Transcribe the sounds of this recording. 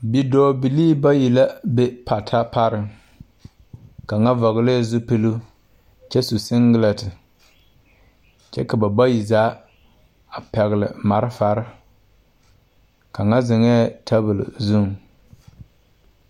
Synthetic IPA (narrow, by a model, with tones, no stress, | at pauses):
bi˨dɔː˨˦bi˨liː˦ba˦ji˨la˦be˦pʰa˨tʰa˦pa˦ɾɪ˦ | ka˨ŋa˦vɔ˨ɣle˦˨zʊ˦pɨ˦lu˦ | t͡ʃɛ˦su˨sɪ˦ŋɡɪ˦la˨tɪ˨ | t͡ʃɛ̰˦ka˨ba˨ba˦ji˨zaː˨˦ | a˨pɛ˨ɣɪ˨lɪ̰˨ma˨ɾɪ˦fa˨ɾɪ˦ | ka˨ŋa˦zɪ˨ŋɛː˦tʰa˦bɨ˨lɪ̰˨zu˦˨ŋ